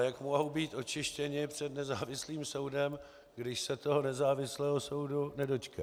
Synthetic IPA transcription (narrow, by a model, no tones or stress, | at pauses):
jakmoɦowbiːt̪ʔo̞t͡ʃɪʃcɛɲɪpr̝̥ɛdnɛzaːvɪsliːmso̞wdɛm | ɡdɪʃsɛt̪o̞ɦonɛzaːvɪslɛːɦosowdunɛdo̞t͡ʃkɛ